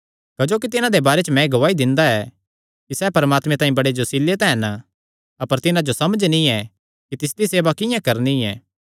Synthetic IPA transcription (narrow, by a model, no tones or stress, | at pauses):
kɐd͡ʒoːk̬it̪ɪnãd̪ebaːɾet͡ʃəmɛ̃ɡɐʋaːid̪ɪ̃nd̪aɛ | kisɛpɐɾəmaːt̪mɛ̃t̪aːĩbɐɽed͡ʒosilːet̪ɛ̃ɦɐn | ɐpəɾt̪ɪnãd͡ʒosɐməd͡ʒnĩɛ | kit̪ɪs̬d̪iseːʋakɪjãkɐɾniɛ̰ː